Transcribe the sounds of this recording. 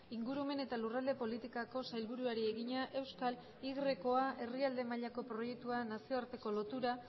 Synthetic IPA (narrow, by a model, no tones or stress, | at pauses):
iŋɡuɾume̞ne̞t̪alurald̪e̞po̞lit̪ikako̞sajlβuɾuaɾie̞ɣiɲaʔe̞wskal | iɣre̞ko̞aʔe̞riald̪e̞maʎako̞pɾo̞je̞k̚t̪uanasio̞aɾt̪e̞ko̞lo̞t̪uɾa